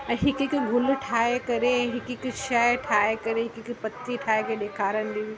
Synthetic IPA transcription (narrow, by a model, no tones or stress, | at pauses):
ɛ̃ɦɪkɪkɡʱʊl̆ʈʰaːekɐɾẽɦɪkɪkʊʃɐjʈʰaːekɐɾeɦɪkɪkpɐt̪iʈʰaːekeɗeːkʰaːɾənɪd̪iː